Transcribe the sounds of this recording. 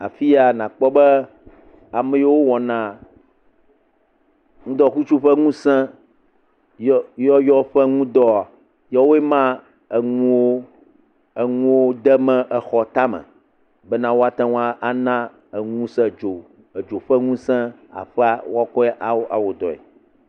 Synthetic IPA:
a˨fi˦a˦nã˨k͡pɔ˦bɛ˦ | a˨mɛ̃˦je˦wo˦wɔ˨nã˨ | ŋũ˦d̪ɔ˦ku˦t͡ʃu˦ɸɛ˦ŋũ˦sɛ̃˦ | jjɔ˦jɔ˦ɸɛ˦ŋũ˦d̪ɔ˦a˨ | jɔ˦wo˦e˦mã˦ | e˨ŋũ˦wo˦ | e˨ŋũ˦wo˦d̪ɛ˦mɛ̃˦ʔɛ˨xɔ˨t̪a˦mɛ̰̃˨ | bɛ˦nã˦wo˦a˦t̪ã˦ŋũ˦a˦ʔa˦nã˦ | e˨ŋũ˦sɛ̃˦˨d͡ʒo˨ | e˨d͡ʒo˨ɸɛ˦ŋũ˦sɛ̃˦ | a̰˨ɸɛ˦a˦wo˦a˦kɔ˦ʔa˦wʔa̰˨wo˨d̪ɔ̰˨ḛ˨

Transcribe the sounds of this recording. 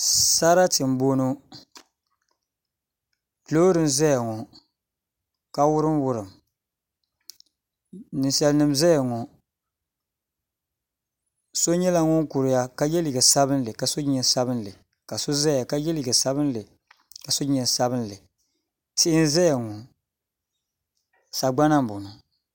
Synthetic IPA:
sa˦ɾa˦tɪ˨m̩˨˦bo˦no˦ | loː˦ɾɨ˨nzɛ˦ja˨ŋɔ˨ | ka˦wʊ˦ɾɨ˦m˦wʊ˦ɾɨ˨m | nɨ˨sɛ˨lnɨ˨mzɛ˦ja˨ŋɔ˨ | so˦ɲɛ˦la˦ŋɔ˦ŋ˦kʊ˨ɾɪ˨ja˦ka˦jɛ˦lɪ˨ɡɛ˨sa˦bɨ˦n˦lɨ˨ka˨so˦ɲɛ˨˦sa˦bɨ˦n˦lɨ˨ | ka˨so˦za˦ja˨ka˦jɛ˦lɪ˨ɡɛ˨sa˦βɨ˦n˦lɨ˨ | ka˨so˦ɲɛ˨nsa˦bɨ˦n˦lɨ˨ | tɪ˦ʔɪ˦n˦zɛ˦ja˨ŋɔ˨ | sa˨ɡ͡ba˦na˦m˦˨bʊ˨nʊ˨

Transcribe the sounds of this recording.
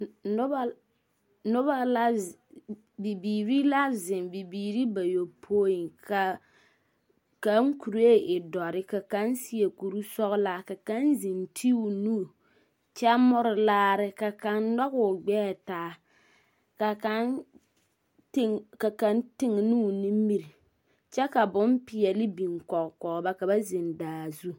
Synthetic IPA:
nʊ˦ba˦ | nʊ˦ba˦la˦ | bi˨biː˨ɾi˦la˦zɪ˨nbi˨biː˨ɾi˦ba˨jo˨pʰoː˦i˨kʰa˨ | ka˦ŋ˦ku˨ɾe˦ʔɪ˨dɔ˨ɾɪ˦ka˨ka˦n˦sɪ˦e˨ku˨ɾu˦sɔ˦ɣʊ˦la˨ka˨ka˦nzi˨ntʰi˦u˨nu˦˨ | t͡ʃɛ˦mʊ˦ɾɪ˦laː˦ɾɪ˦ka˨ka˨ndɔ˦ɣʊ˨ɡ͡bɛː˦˨taː˦ | ka˨ka˦n | tɪ˦ŋka˨ka˨ntɪ˦ŋ˨nu˦˨ni˦mi˦ɾi˨ | t͡ʃɛ˦ka˨bʊ˦mpɪ˨ɛ˨lɪ˦bi˨ŋkɔ˨kkɔ˨ɣba˦ka˨ba˦zɪ˨ndaː˨zu˦

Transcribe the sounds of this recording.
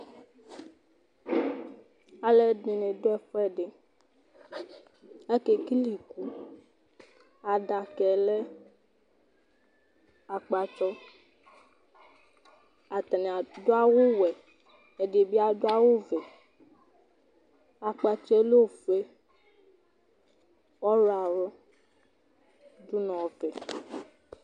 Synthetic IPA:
a˨le˦de˨nẽ˨do˦ɛ˦ɸɔ˦ɛ˨ɖe˨ | ɛ˦ke˨ki˦li˨ku˦ | a˨ɖa˨kɛ˨le˦ | a˨k͡pa˨t͡ʃɔ˦ | a˨t̪ɛ˨nɛ˨a˨do˦a˦wo˦wɛ˨ | ɛ˨de˨bi˦a˦do˦a˦wo˦vɛ˨ | a˨k͡pa˧t͡ʃɔ˦e˦lo˦˨fɛ˦ | ɔ˦ɾa˨ɾɔ˦ | du˦nɔ̃˨vɛ˨

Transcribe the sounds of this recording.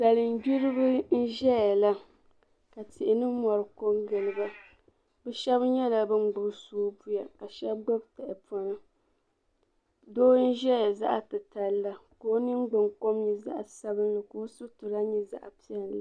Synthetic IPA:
sa˨lɨ˨n˦bi˦ɾɨ˦bɨ˦n̩˦ʒɛ˦ja˨la˦ | ka˨tɪ˨ʔɪ˨nɨ˦mɔ˨ɾɨ˨ko˦ŋɡɨ˨lɨ˨ba˦ | bɛ˦ʃɛ˦bɲɛ˦la˨bɨ˦ŋ˦ɡ͡bʊ˨ɾsuː˦pu˦ja˨ka˨ʃɛ˦bɡ͡bo˦bta˨ʔɪ˨pɔ˨nɨ˦ | doː˦n̩˦ʒɛ˦ja˨za̰˦ʔtɨ˨ta˨lːa˦ko˦nɨ˦ŋ˦ɡ͡bɨ˨ŋko˦mɲi˨za̰˦ʔsa˦bɨ˦n˦lɨ˨koː˦su˦tu˨ɾa˦ɲi˦za̰˦ʔpi˦ɛ˨lːa˨

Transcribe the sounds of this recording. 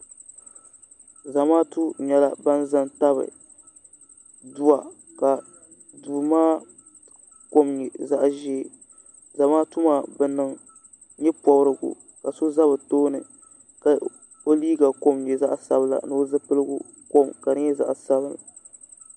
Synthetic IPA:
za˨maː˦tu˦ɲɛ˨la˦ba˦n˦za˦nta˦βɨ̰˨ | du˦a˨ | ka˨ | duː˨maː˦ | ko˦mɲɛ˨za˦ʔʒɛː˦˨ | za˨maː˦tu˦maː˦˨bɛ˨nɨ˨ŋ | ɲɛ˦pɔ˨bɾɨ˨ɡʊ̰˨ | ka˨so˦za˦βɨ˨toː˦nɨ˨ | ka˨ | o˦liː˦ɡa˨ko˦mɲɛ˨za˦ʔsa̰˨bɨ˨la̰˨nɨ˦zɨ˦pɨ˦lɨ˦ɡʊ̰˦ | ko˦mka˨nɨ˦ɲɛ˦za̰˨ʔsa˦βɨ˨la̰˨

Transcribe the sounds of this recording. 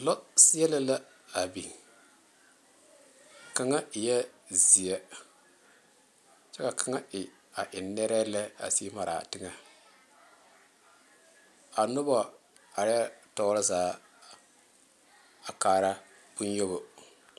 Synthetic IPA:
lɔ˦si˦jɛ˦la˦la˦ | a˨bi˨ | ka˨ŋa˦ɪ˨jɛ˦ | zi˨jɛ˦ | t͡ʃɛ˦ka˨kʰa˨˦ŋa˦ɪ˨ | a˨ʔɪ˨nːɛ˦ɾɛ˦lɛ˦a̰˨si˦ma˨ɾa̰˨tɪ˦ŋa˨ | a˨nʊ˦bɔ˨ | a˨ɾɪ˦a˦tɔ˦ɾa˦zaː˨˦ | a˨kaː˨ɾa˦ | pu˦njo˦bo˨

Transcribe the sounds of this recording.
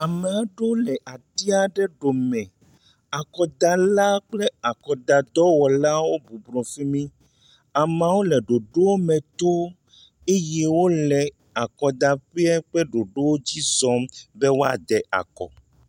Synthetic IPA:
a˨me˨a˨ɖo˦lɛ˨ʔa˨t̪i˦a˨ɖɛ˦ɖo˨mɛ̃˨ | a˨kɔ˨d̪a˨la˦k͡plɛ˦a˨kɔ˨d̪a˨d̪ɔ˦wɔ˨la˦wo˦bu˨blɔ̃˨fi˦mĩ˦ | a˨mã˨wo˦lɛ˨ɖo˨ɖo˦wo˦mɛ̃˨t̪o˦ | e˦jɛ˦wo˦lɛ˨ | a˨kɔ˨d̪a˨ɸe˦a˦k͡pɛ˦ɖo˨ɖo˦wo˦d͡ʑi˦zɔ̃˦mbe˦wo˦a̰˨d̪ɛ˨ʔa̰˨kɔ̰˨

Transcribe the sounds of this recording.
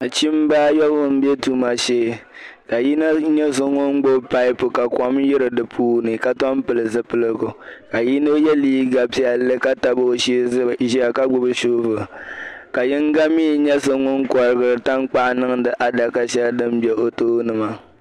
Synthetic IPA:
t͡ʃi˦m˦baː˦jɔ˦bɨ˦m̩˦bɛ˦tu˦ma˨ʃeː˦˨ka˨ji˦na˦ɲɛ˦so˦ŋʊ˦n˦ɡ͡bo˦pa˦ɪ˦pʊ˨ka˨kɔ˨mjɪ˦ɾɨ˨dɨ˨pʰuː˦nɨ˨ka˦tɔ˦m˦pɨ˨lɨ˨sɨ˨pɨ˦lɨ˦ɡʊ˨ka˨ji˦no˦jɛ˦liː˦ɡa˨pi˦a˨lɨ˦ka˦ta˨bo˦ʃi˦˨ʒi˦a˨ka˦ɡ͡bʊ˦bɨ˦ʃuː˦vɨ˨ka˨jɪ˦ŋ˦ɡa˦miː˦˨ɲɛ˦so˨ŋʊ˦nkɔ˨ɾɨ˦ɡɨ˨ɾɨ˨ta˦ŋ˦k͡pa˦ʔnɨ˦ŋ˦dɨ˦ʔa˨da˨ka˨ʃɛ˦ldɨ˦m˦bɛ˨o˨toː˦nɨ˨ma˦

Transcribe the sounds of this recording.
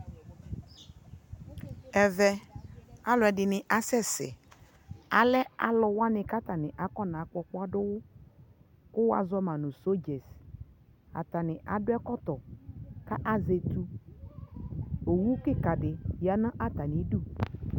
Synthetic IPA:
ɛ˨vɛ˦ | a˦lʊ˨ɛ˨dɪ˨nɪ˨ʔa˦sɛ˦sɪ̰˨ | a˨lɛ˦a̰˨lɔ˨wa˦nɪ˨ka˦t̪a˨nɪ˨ʔa˨˦kɔ˦na˨˦kɔ˨kʊ˦a˦dʊ˦wʊ˦ | kʊ˦wa̰˨zɔ˦mã˨nʊ̃˨so˦d͡ʒe˨s | a̰˨t̪a˨nɪ˨ʔa˨dʊ˦ɛ˦kɔ˦t̪ɔ˨ka˦ʔa˦ze˨tu˦ | o˨wu˦kɪ˦ka˨dɪ˨ja˨nã˦ʔa˦t̪a˨nɪ˨˦du˦˨

